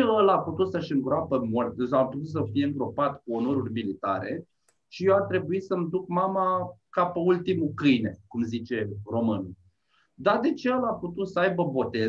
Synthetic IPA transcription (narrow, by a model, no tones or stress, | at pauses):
əlaput̪ut̪səʃɨŋɡɾoapəmort̪saput̪ut̪s̬əfije̞ɨŋɡɾo̞pat̪kuonoɾurʲmilit̪a̰ɾe̞̰ | ʃijewat̪ɾe̞buisəmd̪ukmamakapeult̪imukɨjne̞kumzit͡ʃe̞ro̞mɨnul | d̪ad̪e̞t͡ʃeəlaput̪ut̪səajbəbo̞t̪e̞